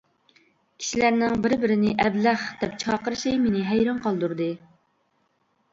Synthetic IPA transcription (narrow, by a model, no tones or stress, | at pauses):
kʲʰi̥ʃilæɾnɪŋbɪɾbɪɾɪnɪʔɛblæχd̪̥ɛp̚t͡ʃʰɑːqəɾʃijmenɪɦɛjɾɑɴqɑlˠd̪uɾd̪ɨ